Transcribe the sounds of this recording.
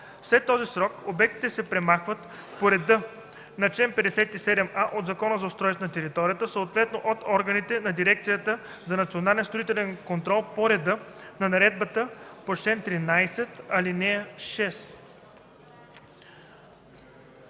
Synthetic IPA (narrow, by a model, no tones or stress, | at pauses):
fslɛt̪ːɔzisɾɔkobɛk̚t̪i̥t̪ɛsɛpɾɛmaxvət̪ | poɾɛd̪ɤ | nɐt͡ʃɛnpɛd̪ɛsɛt̪isɛd̪ɛmaʔod̪zɐkɔnəzɐost̪ɾɔj̪t̪nɐt̪ɛɾit̪ɔɾʲijət̪əsəot̪vɛt̪noʔot̪ɔɾɡənit̪ɛnɐd̪iɾɛk̚t̪sijət̪ə | zɐnɐt̪sionalʲɛnst̪ɾoit̪ɛlɛnkont̪ɾɔlˠpoɾɛd̪ɤnɐnɐɾɛd̪̚bət̪əpot͡ʃt̪ɛnt̪ɾinajsɛt̪ɐlinɛʃɛs